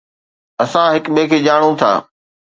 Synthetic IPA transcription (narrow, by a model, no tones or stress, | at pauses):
ɐsãɦɪkmẽːkʰeːʄaːɽ̃õt̪ʰa̰ː